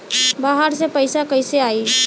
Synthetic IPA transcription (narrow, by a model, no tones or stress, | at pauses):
baːɦaɾsepəɪsakəɪseaːi